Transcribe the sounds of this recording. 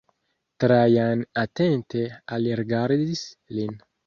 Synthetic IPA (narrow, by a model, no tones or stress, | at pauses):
t̪ɾajanat̪ent̪ealeɾɡaɾdislin